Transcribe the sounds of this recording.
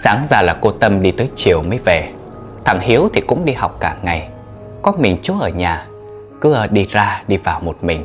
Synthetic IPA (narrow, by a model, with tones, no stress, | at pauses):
saː˨˦ŋzaː˧˩laː˨˩ko˧t̪ə˧mɗi˧t̪əː˨˦jt͡ɕi˧˩əwməː˨˦jve˨˩ | t̪ʰa˨˧˩ŋhi˨˦əwt̪ʰi˨˩kʊ̰˧˥ŋ͡mɗi˧ha˨˩wk͡p̚kaː˧˩ŋa˨˩j | kɔ˨˦mï˨˩ŋ̟t͡ɕu˨˦ʔəː˧˩ɲaː˨˩ | kɨ˨˦˧ɗi˧zaː˧ɗi˧vaː˨˩wmo˨˩t̚mï˨˩ŋ̟